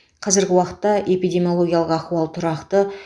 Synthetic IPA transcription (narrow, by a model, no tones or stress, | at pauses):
qʰɑzɪɾɡʲɪwɑqə̥t̪ːɑʔe̞pijd̪ʲe̞mʲijo̞lˠoɡʲijalˠəqɑquɑlˠt̪ʰʊɾɑqt̪ə